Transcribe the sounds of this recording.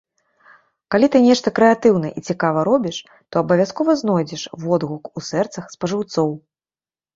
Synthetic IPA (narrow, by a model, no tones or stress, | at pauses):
kalʲit̪ɨnʲɛʂt̪ɐkɾɛat̪ɨwnɐʔit͡sʲikavɐɾɔbʲiʂ | t̪ɔɐbɐvʲaskɔvɐznɔjd͡zʲɛʂvɔd̪ɣukusɛrt̪sɐxspɐʐɨwt̪sɔw